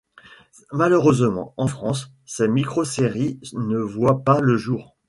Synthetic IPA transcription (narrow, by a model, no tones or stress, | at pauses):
maløʁøzmɑ̰̃ɑ̃fχɑ̃sː | ɛmikχoseʁinəvwapaləʒuːʁ